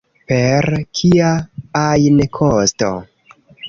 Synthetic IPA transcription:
pe̞ɾkʰiaajnkʰosto̰

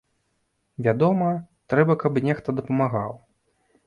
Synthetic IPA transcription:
vʲad̪ɔmɐt̪ɾɛbɐkɐbnʲɛxt̪ɐd̪ɐpɐmaɣaw

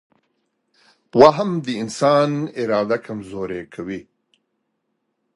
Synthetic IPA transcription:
waːɦamd̪əɪnsɑːnɪɾɑːd̪akʰamzoːɾekʰawi

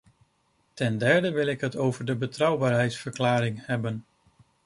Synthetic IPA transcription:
tɛndɛɹdəʋɪlˠɪkɦətowvəɹdəbətrʌwbaːɹɦɛjtsfəɹklaːɾɪŋhɛbən

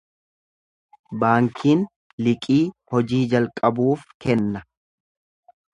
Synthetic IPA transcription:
baːŋkʰiːn | lɪkʼiːhɔd͡ʒiːd͡ʒɐlkʼɐbuːfkɛnːɐ

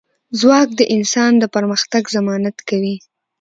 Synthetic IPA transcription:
zwɑk̚d̪əʔɪnsɑnd̪əpaɾməxt̪aɡzamɑnat̪kawi

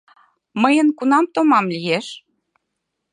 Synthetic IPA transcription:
məjənkunɑmt̪omɑmlijeʃ

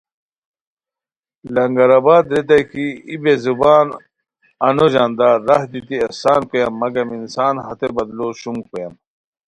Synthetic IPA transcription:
lɐŋɡɐɾɐbaːd̪ɾet̪̬ɐkiibezubaːn | ɐnoʑaːnd̪aːɾːɐhd̪it̪iɐsaːnkojɐmːɐɡɐminsaːnɦɐt̪ebɐd̪loɕumkojɐm

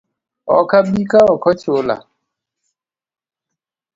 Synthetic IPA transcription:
ɔ̰kabikaɔkɔt͡ʃola̰

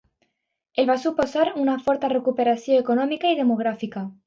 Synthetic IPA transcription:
elβasupo̞saɾunafo̞ɾt̪are̞kupe̞ɾaθjoeko̞nomikaið̞e̞mo̞ɣ̞ɾafika

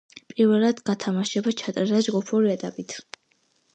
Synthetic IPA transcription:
pʼiɾvɛlˠad̪̥ɡat̪ʰamaʃɛbat͡ʃʰat̪ʼaɾd̪ad͡ʒɡupʰɔɾiɛt̪ʼapʼit̪ʰ

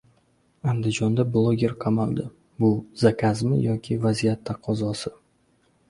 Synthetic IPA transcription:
and̪ɪd͡ʒɒnd̪ablˠoɡʲe̞ɾqʰɑmalˠd̪ɪ | bʊzakʲʰazmɪ̰jɒkʲʰɪvazijat̪ʰːaqʰɒzɒsɪ

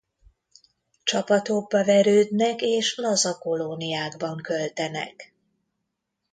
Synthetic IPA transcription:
t͡ʃɒpɒt̪oɡ̚bɒvɛɾøːd̪nɛkeːʃlɒzɒko̞lonijaːɡbɒŋkø̞lt̪ɛnɛ̰k

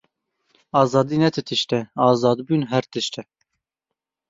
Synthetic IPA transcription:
ɑːzɑːd̪iːnɛt̪ʰɨt̪ʰɨʃt̪ɛɑːzɑːd̪bunɦɛɾt̪ɨʃt̪ɛ

